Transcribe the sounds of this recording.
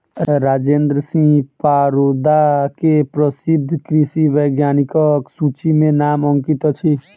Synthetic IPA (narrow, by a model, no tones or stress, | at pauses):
ɾaːd͡ʒẽːnd̪ɾəsĩpaɾod̪akepɾəsɪd̪ʱːkɾisiʋəjɡjaːnikɔksut͡ʃimẽnaːmɔŋkit̪ɔt͡ʃʰi